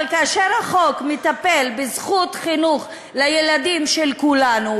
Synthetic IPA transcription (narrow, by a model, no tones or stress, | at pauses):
lkaaʃeʁhaχo̞kmet̪ape̞lbezχutχinuχ | lajeladimʃelkulanu